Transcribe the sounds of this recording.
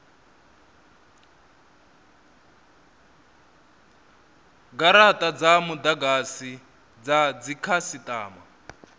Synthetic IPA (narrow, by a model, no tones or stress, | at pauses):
ɡaɾatʼad͡zamudaɡasi | d͡zad͡zikʰasitʼaːma